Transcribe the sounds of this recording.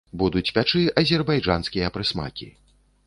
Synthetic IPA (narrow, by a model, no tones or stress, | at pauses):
bud̪ut͡sʲpʲat͡ʂɨɐzʲɛrbajd͡ʐanskʲijɐpɾɨsma̰kʲḭ